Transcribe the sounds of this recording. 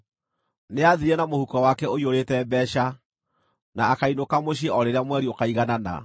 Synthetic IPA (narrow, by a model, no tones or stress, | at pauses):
neaðiɾɛnamohukɔwakɛoioɾetɛbɛɕa | naːkainokamoɕ̬eʔɔɾeɾeamwɛɾiokaiɣanana̰